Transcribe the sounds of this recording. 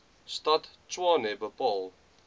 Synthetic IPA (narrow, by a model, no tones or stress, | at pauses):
stɐtt͡ʃwɑːnɛbəpɑlˠ